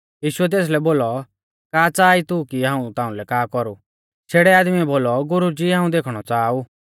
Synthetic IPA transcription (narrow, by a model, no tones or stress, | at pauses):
jiːʃʊɛt̪̬eːs̬lɛboːlɔ | kaːt͡saːit̪ukiɦãːũt̪ãːũlɛkaːkɔɾu | sʰeːɽɛaːd̪miɛboːlɔɡʊɾud͡ʒiɦãːũd̪eːkʰɽ̃ɔt͡saːuː